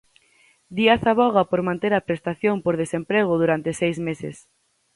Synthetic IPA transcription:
d̪iaθaβɔɣ̞ɐpoɾmãnt̪eɾɐpɾest̪aθjompoɾðesempɾeɣʊðuɾant̪esejzmesɪ̰s

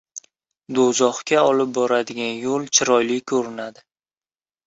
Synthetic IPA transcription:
d̪ozɒχkʲaɒlɪp̚bɒɾad̪ɪɡʲanjolˠt͡ʃʰɪɾɒjlɪkʰɵɾɪnad̪ɪ

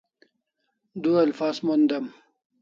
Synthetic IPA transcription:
d̪uɐlfaːzmond̪ɐm

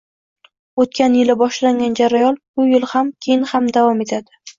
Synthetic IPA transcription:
ot̪̚kʲanjɪlɪbɒʃlaŋɡʲand͡ʒaɾajɒlbʊjɪlˠhamkʲʰejɪnhamd̪avɒme̞t̪ʰad̪ɪ

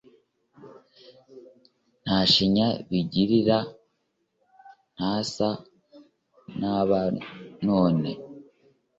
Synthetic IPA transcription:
n̥aʃiɲaβiɟiɾiɾa | n̥hasa | naβanoːne

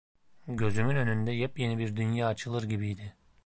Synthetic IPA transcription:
ɟø̞zymynø̞nynd̪ɛjɛpje̞nibiɾd̪ynjaːt͡ʃʰɯlˠɯɾɟibijd̪ɪ

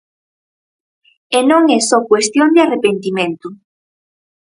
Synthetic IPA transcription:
enõŋɛsɔkwest̪jond̪ɪarepent̪imẽnt̪ʊ

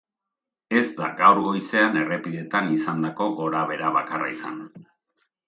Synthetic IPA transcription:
e̞zd̪a̰ɡawɾɣo̞jse̞ane̞re̞piðe̞t̪anisand̪ako̞ɣo̞ɾaβe̞ɾaβakara̰isa̰n

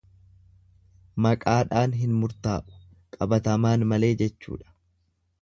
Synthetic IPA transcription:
mɐkʼaːᶑaːnɦɪnmʊɾt̪aːʔʊ̥ | kʼɐbɐt̪ɐmaːnmɐle̞ːd͡ʒɛt͡ʃːṵːᶑɐ̥

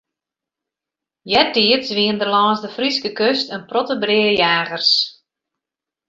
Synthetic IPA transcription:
jɛtiətsʋiəndərlɔːnsdəfriskəkøstənprɔtəbrɪːɾəjaːɣərs

